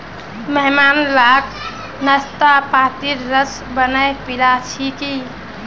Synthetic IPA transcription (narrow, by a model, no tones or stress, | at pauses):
məɦmanlak | nəst̪apat̪iɾːəs | bənajpilat͡ʃʰiki